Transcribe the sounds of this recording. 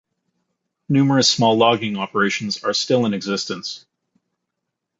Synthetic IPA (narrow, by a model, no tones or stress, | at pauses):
nʉmə˞ɨsmɔlˠɑɡɪ̃ŋɑpə˞eɪʃn̩zə˞stɪlˠə̃nɨɡzɪstɨ̃ns